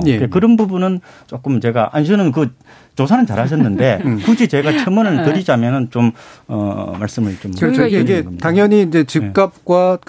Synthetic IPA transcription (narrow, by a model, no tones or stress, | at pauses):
jeekɯɾʌnbubunɯn | t͡ɕok͈ɯmt͡ɕe̞ɡaʔanɕʰɯnɯnk̬ɯ | t͡ɕosʰanɯnt͡ɕaɾhaɕʰʌnːɯnde̞kud͡ʑʰit͡ɕe̞ɡat͡ɕʰʌmʌnɯɭtɯɾid͡ʑamjʌnɯnt͡ɕomʌ̰maɭs͈ɯmɯɭt͡ɕomɡeɡʌt̪aŋjʌɲiːnd͡ʑe̞t͡ɕik͈ap̚kwa